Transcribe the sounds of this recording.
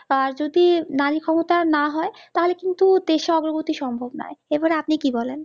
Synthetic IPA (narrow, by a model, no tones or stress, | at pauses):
aɾd͡ʑod̪inaɾikʰɔmot̪anaɦɔet̪aɦolekint̪ud̪eʃeɔɡɾoɡot̪iʃɔmbʱobna̰eebaɾeapnikibɔlen